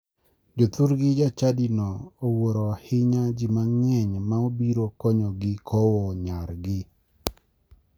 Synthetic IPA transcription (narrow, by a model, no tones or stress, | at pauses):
d͡ʒot̪uɾɡɪd͡ʒat͡ʃadinɔowoɾɔhɪɲad͡ʒimaŋɛɲmaobiɾokɔɲɔɡɪkʰɔwɔɲaɾɡɪ